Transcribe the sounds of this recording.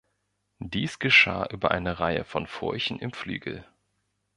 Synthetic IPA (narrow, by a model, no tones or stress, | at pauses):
diːsɡ̥əʃa̰ːʔyːbɐʔaɪnəʁaɪə̰fɔnfʊɐçn̩ɪmfly̰ːɡl̩